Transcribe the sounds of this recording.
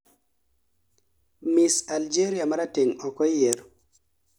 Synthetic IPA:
misald͡ʒeɾiamaɾateŋɔkɔjːeɾ

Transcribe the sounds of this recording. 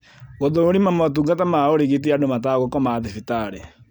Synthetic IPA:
ɣɔðoɾimamɔt̬uŋɡatamaoɾeɣet̬eadomataɣɔkɔmaðefitaɾe

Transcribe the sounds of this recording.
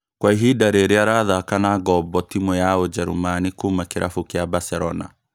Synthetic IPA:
kwaiɦidaɾeɾeaɾaðakanaɡɔbɔtimɔjaod͡ʒɛɾumanikumakeɾʔafukeabasɛɾɔna̰

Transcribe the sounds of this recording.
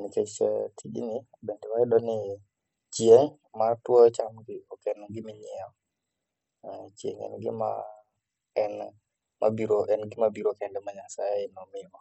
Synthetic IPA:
nikɛt͡ʃɛ̰tʰiɗḭni | bɛntiwaiɗɔni | t͡ʃijɛŋ | matuɔt͡ʃamɡiɔkɛnɔŋɡimiɲia | t͡ʃijɛ̰ŋɛ̰nɡḭma̰ | ɛn | ma̰biɾoʔɛnɡimabiɾokɛndɛmaɲasajainɔmima

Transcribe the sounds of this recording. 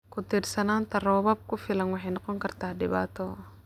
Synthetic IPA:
kʰʊt̪irsɐnaːnt̪ʰɐrɔːβɐb̚kʰʊfɪlɐnwɑħɑjnɔqɔŋkʰɐrt̪ʰaːdɪβa̰ːt̪ʰɔ

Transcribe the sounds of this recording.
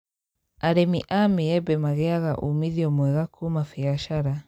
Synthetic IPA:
aɾɛmiʔamiɛbɛmaɣɛaɣaʔumiðiɔmwɛɣakʰumafiaʃaɾa

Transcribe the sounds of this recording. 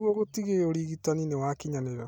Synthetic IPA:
oɣotiɣeoɾiɣitaninewakiɲaneɾa

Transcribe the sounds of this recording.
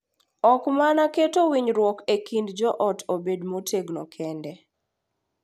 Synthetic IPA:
ɔkmanaketowiɲɾwɔkekindd͡ʒɔʔɔtobedmotʰeɡnɔkʰɛndɛ

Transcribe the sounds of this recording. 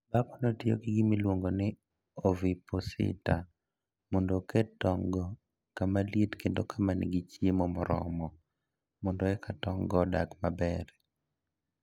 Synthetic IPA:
bakɔnɔtio̰ɡɪɡɪmilwoŋɡonɪ | ɔviposɪ̰ta | mɔndokɛtɔŋɡɔ | kamaletkendokʰamanɪ̰ɡit͡ʃjemɔmɔɾɔ̰mɔ | mɔndoɛkʰatɔŋɡɔda̰kmabɛɾ

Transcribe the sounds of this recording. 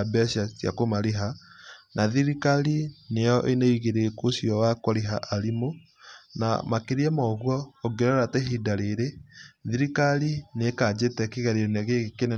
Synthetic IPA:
abɛsjasja̰komaɾeɦanʔaðiɾikalinejɔʔeneiɣeɾekosijɔwakoɾeɦaʔaɾimo | na̰makeɾiɛmɔɣwɔoɡeɾɛɾateɦidaɾeɾeðiɾikalinekaːd͡ʑetɛkeɣɛɾeɾeneaɣekene

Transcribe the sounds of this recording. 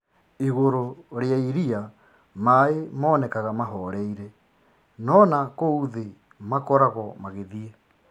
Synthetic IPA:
iɣoɾoɾeaiɾia | maemɔːnɛkaɣamaɦɔɾɛiɾɛ | nɔnakouðe | makɔɾaɣɔmaɣeðie

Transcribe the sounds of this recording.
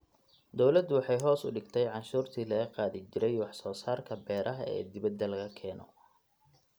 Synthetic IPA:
d̪ɔwlɐd̪wɑħɑjɦɔːsʊ̰ɖɪɡt̪ʰɛjʕɑnʃuːrt̪ʰiːlɐɣɐqɑːðɪt͡ʃɪɾɛjwɑħsɔːsaːrkʰɐbɛːɾʔɐɦɐɛ̰ːd̪ɪβɐd̪ɐlɐɣɐkʰɛːnɔ̰

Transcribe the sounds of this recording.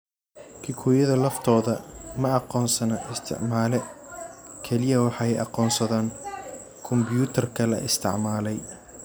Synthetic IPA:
kʰɪkʰuːjɐðɐlɐft̪ʰɔːðɐmɐɑqɔːnsɐnɐʔɪst̪ʰɪ̰ʕmaːlɛ | kʰɛlɪjɐwɑħɑɛjɑ̰qɔːnsɐðaːŋ | kʰʊmbjuːt̪ʰɐrkʰɐlɐ̰ʔɪst̪ʰɪ̰ʕmaːlɛj

